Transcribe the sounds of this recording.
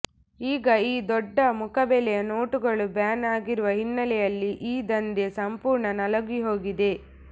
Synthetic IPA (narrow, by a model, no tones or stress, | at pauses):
iːɡɐiːd̪ɔɖːɐmukɐbɛlɛjɐno̞ːʈuɡɐɭubjaːnaːɡiɾuʋɐɦinːɐlɛjɐlːiʔiːd̪ɐnd̪esɐmpuːɾɳɐnɐlɐɡiɦo̞ːɡid̪e̞